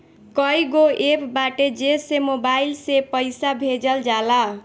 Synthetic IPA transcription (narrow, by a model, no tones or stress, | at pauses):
kʌjɡoepbaʈed͡ʒesemobailsepʌjsabʱed͡ʒʌld͡ʒala